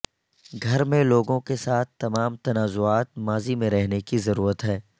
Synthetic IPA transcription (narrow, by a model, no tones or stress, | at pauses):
ɡʱɐɾmẽloːɡõkesaːt̪̚ʰt̪ːɐmaːmt̪ɐnaːzʊaːt̪̚maːzimẽɾɛɦnekizɐɾuːɾət̪ɦɛː